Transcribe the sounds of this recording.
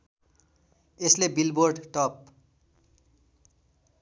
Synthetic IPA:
eslebilborɖʈʌp̚

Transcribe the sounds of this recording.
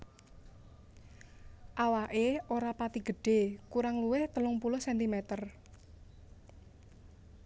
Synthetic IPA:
ʔawaʔeoɾapat̪iɡ̥ə̤ɖ̥e̤kuɾaŋluwɪht̪əlʊŋpulʊhsɛnt̪imɛt̪ər

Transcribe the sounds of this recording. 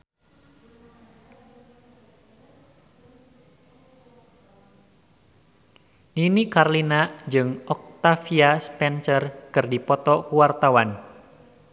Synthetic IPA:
ninikarlinad͡ʒɨŋɔk̚t̪afiaspɛnsərkɨrdipɔt̪ɔkuwart̪awan

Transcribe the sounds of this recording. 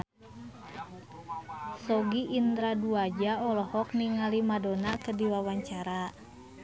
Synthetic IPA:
sɔɡiːnt̪ɾaduad͡ʒaɔlɔhɔk̚niŋalimadonakədiwawaɲt͡ʃaɾa

